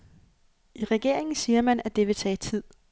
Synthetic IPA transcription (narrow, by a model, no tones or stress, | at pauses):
iʁɛɡ̥e̝ɐ̰e̝ŋn̩siːɐmænæ̥d̥e̝ʋe̝t͡sʰɛ̰ːt͡sʰið̰ˠ